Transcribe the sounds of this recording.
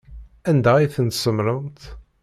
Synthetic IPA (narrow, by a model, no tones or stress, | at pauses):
ænd̪æiθənt̪səmɾənt̪